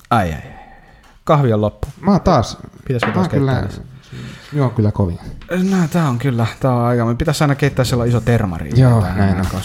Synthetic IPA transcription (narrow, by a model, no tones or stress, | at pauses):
æiæ̰i | kɑhʋiollopːu̥mɑːt̪ɑːspit̪æskot̪ɑːskeylːæ̰æs | miooŋkylːækoʋḭŋnæt̪æːoŋkylːæt̪æːoɑˑikɑmpit̪æsɑˑinɑkeˑit̪ːæːsselːɑˑisot̪ermɑ̰rḭjoːnæˑinoŋkɑ